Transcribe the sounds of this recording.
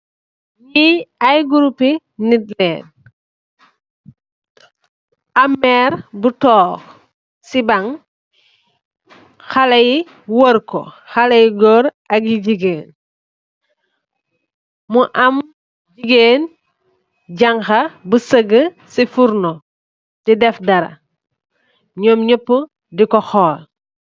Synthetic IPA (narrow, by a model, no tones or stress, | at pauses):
ɲiɐjɡuɾupi | nitlɛːn | ʔɐmːɛːɾbutɔːx | sibɐŋ | xɐlɐji | wəɾkɔ̰xɐlɐjiɡɔɾ | ɐk̚jiɟiɡeːn | muʔɐm | ɟiɡeːn | ɟɐŋxɐbusəɡə | sifuɾnɔ | didɛfdɐɾɐ̰ | ɲɔːmɲəpːə | dikɔxɔːl